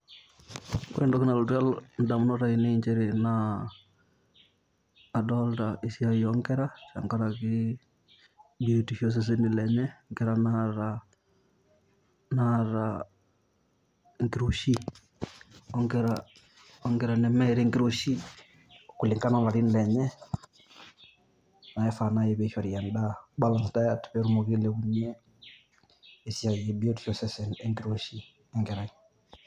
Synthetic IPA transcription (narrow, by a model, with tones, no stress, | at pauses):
kwɛ̰˨ndɔ˦ki˦na˨lotwa˦ln̩˦da˨mu˦nɔ˦ɾa˦ine˦iɲd͡ʒɛ˦ɾena˨ | dɔltaisjajɔŋɡɛ˦ɾa˦ʃa̰˨ŋka˦ɾaki | biti˨ʃjɔs̬ɛs̬e˦ni˨lɛɲɛ˦ŋkɛɾa˨naɾa | naɾa | ŋki˨ɾoʃi˦ | ɔ˦ŋɡɛɾa | ɔ˦ŋɡɛ˨ɾa˨nɛ˨mɛ˦ɾɛ˦ŋɡi˦ɾo˦ʃi˦˨ | ku˨li˨ŋka˦na˨la˨ɾi˦n˨lɛ˨ɲɛ˦ | na˨jɛ˦fa˨na˦jɛ˦βɛ˨ʃɔ˨ɾi˨jɛ˨nda˦ba˦la˨nsta˦ja˨tu̥˨pɛ˦ɾu˦mo˨ɣi˦lɛ˨ɣu˨ɲɛ˦ | e˨si˦a˨jɛ˨bi˦o˦du˨ʃɔ˨sɛ˦sɛ˨nɛ˦ŋɡi˦ɾo˨ʃi˦ | ɛ˨ŋɡɛ˨ɾa˦ɲ